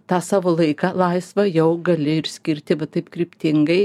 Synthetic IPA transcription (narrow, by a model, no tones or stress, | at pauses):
t̪ɑːsɑːʋolˠɐɪkɑlˠɐɪsʋɐjɛʊɡɐlʲɪɪɾsʲkʲɪɾʲt̪ʲɪʋɐt̪ɐɪpkɾʲɪpʲt̪ʲɪŋɡɐɪ